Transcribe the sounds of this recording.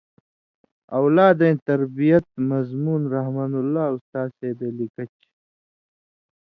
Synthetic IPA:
ɐwlaːd̪ẽːt̪ɐɾbijɐt̪̚mɐzmuːnɾɐɦmɐnulːaːust̪aːseːbelikɐt͡ɕ

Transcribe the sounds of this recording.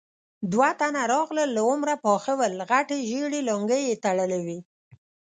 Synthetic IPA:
d̪wat̪anaɾɑɣləlːaʊmɾapɑxawəlɣaʈeʒeɽeloŋɡəjet̪aɽəlawi

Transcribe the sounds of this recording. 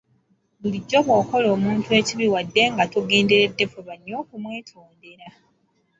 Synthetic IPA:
βuliɟːo̞βwoːko̞lo̞ːmuːntue̞ciβiwadːe̞ŋɡatuɡe̞ːndeɾe̞dːe̞fuβaɲːo̞ːkumwe̞ːtʰoːnde̞ɾa

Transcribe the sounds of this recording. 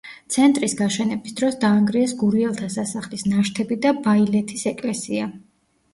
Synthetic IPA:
t̪sʰɛnt̪ʼɾisɡaʃɛnɛbisd̪ɾɔsd̪aːŋɡɾiɛsɡuɾiɛlˠt̪ʰasasaχlisnaʃt̪ʰɛbid̪abailɛt̪ʰisɛkʼlɛsia

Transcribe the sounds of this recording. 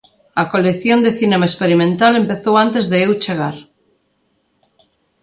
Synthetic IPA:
ɐkoleθjond̪eθinemaespeɾimẽnt̪alempeθowant̪ezðeewt͡ʃeɣ̞aɾ

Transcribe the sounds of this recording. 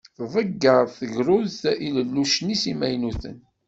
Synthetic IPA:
θvˤəɡːəɾˤθəʝɾʊðθiləlːuʃnisimæjnuθə̰n

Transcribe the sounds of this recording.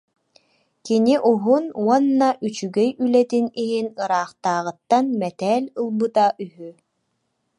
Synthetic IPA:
kiniʔuɦunuɔnːaʔyt͡ʃyɡɛjylɛt̪iniɦinɯɾaːχt̪aːʁɯt̪ːanmɛt̪ɛːlʲɯlˠbɯt̪aʔyɦy

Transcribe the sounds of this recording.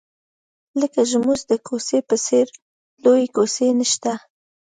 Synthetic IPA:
ləkaʒmuzd̪əkʰosepəseɾ | lojekosenəʃt̪a

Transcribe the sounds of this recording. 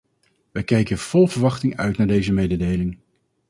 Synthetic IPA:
ʋɛjkɛjkəv̥ɔlˠvəɹʋɑχtɪŋœ̰ɥtnaːɹdejzəmejdədejlɪŋ

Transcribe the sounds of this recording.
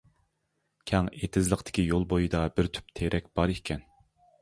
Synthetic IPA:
kʲʰɛŋet̪ʰɪzlˠəqt̪ʰɪ̥kʲijolˠbojid̪ɑbɪɾt̪ʰy̥p̚t̪ʰeɾʔɛkʲb̥ɑɾekʲʰɛn

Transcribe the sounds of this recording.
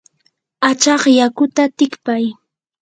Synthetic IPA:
at͡ʃɑχjakʊt̪at̪ɪkpaj

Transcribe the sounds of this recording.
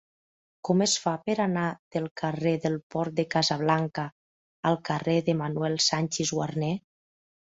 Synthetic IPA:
kɔməsfapəɾanað̥əlˠkareðəlˠpɔɾt̪̚d̪əkazaβ̞laŋkaː | lˠkareðəmanwɛlˠsanʲt͡ʃezɣwarnɛ

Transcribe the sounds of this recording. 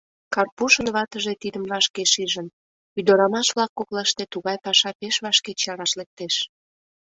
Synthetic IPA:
kɑrpuʃənβɑt̪əʒet̪id̪əmβɑʃkeʃiʒən | yd̪oɾɑmɑʃβlɑkːoklɑʃt̪et̪uɣɑjpɑʃɑpeʃβɑʃket͡ɕɑɾɑʃlek̚t̪eʃ

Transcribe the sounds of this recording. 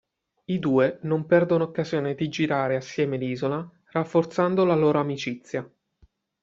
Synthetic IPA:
id̪uːenompɛrd̪onookːazjoːned̪id͡ʒiɾaːɾeasːjɛːmeliːzola | rafːort̪sand̪olaloːɾoamit͡ʃit̪sːja

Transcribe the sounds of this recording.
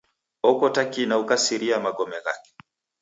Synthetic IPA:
ɔkɔtakinaukasiɾiamaɡɔmɛɣa̰kɛ̥

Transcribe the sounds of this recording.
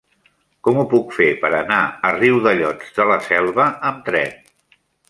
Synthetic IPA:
kɔmupukfepəɾənaəriwðəʎɔd͡zðələsɛlˠβəəmt̪ɾɛ̰n

